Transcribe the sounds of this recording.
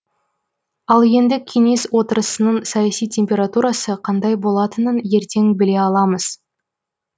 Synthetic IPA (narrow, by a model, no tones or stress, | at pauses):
ɑlˠje̞nd̪ɪkʲʰe̞ŋe̞swo̞t̪əɾəsənəɴsɑjasijtʲʰe̞mpʲe̞ɾat̪uɾɑsəqʰɑnd̪ɑjbo̞lˠɑt̪ənənje̞ɾt̪e̞ŋbɪle̞ɑlˠɑməz̥